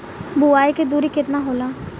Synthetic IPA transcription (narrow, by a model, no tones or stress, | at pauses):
buaːeked̪uːɾikɪt̪naɦoːlaː